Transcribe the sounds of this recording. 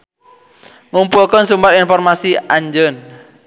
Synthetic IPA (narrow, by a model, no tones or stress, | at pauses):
ŋumpulkənsumbaɾinfɔrmasiʔaɲd͡ʒən